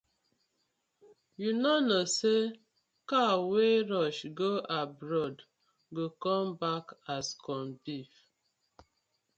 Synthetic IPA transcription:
junɔnɔse | kaweɾɔʃɡoʔabɾɔd | ɡokɔmbakaskʰɔnbif

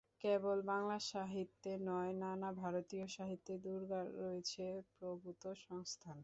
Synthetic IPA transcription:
kebolbaŋlaʃaɦit̪ːenɔenanabʱaɾot̪ioʃaɦit̪ːed̪uɾɡaɾɾoet͡ɕʰepɾobut̪oʃɔŋst̪ʰan

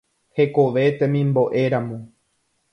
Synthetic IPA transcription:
he̞ko̞ʋe̞t̪ẽmĩmbo̞ʔe̞ɾamõ

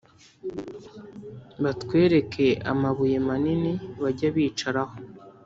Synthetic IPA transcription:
βatwe̞ːɾe̞kʰe̞a̰maβuje̞maniniβaɟaβiːt͡ʃaɾaho

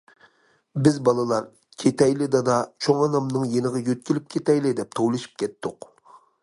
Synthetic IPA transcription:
bɪzbɑlˠɨlˠɑɾ | kʲʰet̪ʰɛjlɪd̪ɑd̪ɑt͡ʃʰoŋɑnɑmnɨŋjenɨʁɑjøt̪̚kʲilɪp̚kʲʰet̪ɛjlɪd̪ɛp̚t̪ʰowlˠɨʃi̥p̚kʲɛt̪ːʊq

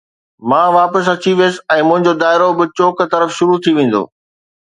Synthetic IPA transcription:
mãːʋaːpəs̬ɐt͡ɕiʋjesɛ̃ːmʊ̃ɦɪ̃ɲd͡ʑod̪aːɪɾobɪt͡ɕoːkt̪ɐɾəfʃʊɾut̪ʰiʋẽːn̆d̪o̰ː

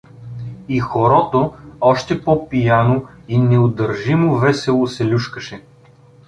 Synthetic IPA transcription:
ixoɾɔt̪oɔʃt̪ɛpɔpijanoinɛod̪əɾʒimovɛsɛlˠosɛlʲuʃkəʃɛ

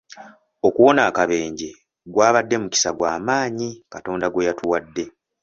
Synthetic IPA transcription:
o̞kuwo̞naːkaβe̞ːɲɟe̞ | ɡwaːβadːe̞muci̥saɡwaːmaːɲikato̞ːndaɡwe̞jatuwadːe̞

